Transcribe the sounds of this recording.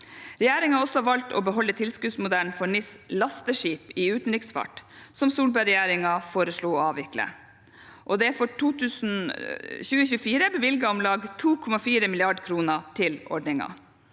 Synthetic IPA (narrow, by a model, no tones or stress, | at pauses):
ɾɛjæːɾɪŋɑɔsɔhɑʋɑlt̪ʰɔ̰ːbəɦɔlːət̪ʰɪlskʉːd̪smʊd̪æln̩fɔɳɪslɑst̪əʂiːpɪʉːt̪n̩ɾɪksfɑ̰ʈsɔmsuːlbæɾɛjæːɾɪŋɑfoːɾəʂɭuːɔɑːʋɪklə̰ | ʔɔd̪ɛfɔʈʰuːt̪ʰʉːsn̩çʉːəçʉːəfiːɾəbəʋɪlɡɑɔmlɑːɡt̪ʰuːkʰɔmɑfiːɾəmɪlɪɑɖkʰɾuːnət̪ʰɪlʔɔ̰ɖɳɪŋɑ̰